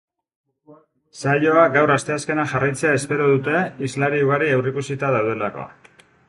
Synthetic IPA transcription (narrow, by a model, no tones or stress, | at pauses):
saʎo̞aɡawrast̪e̞aske̞naʝarajt͡se̞ae̞spe̞ɾoðut̪e̞izlaɾiuɣ̞aɾiewrikusit̪að̞awð̞e̞lako̞̰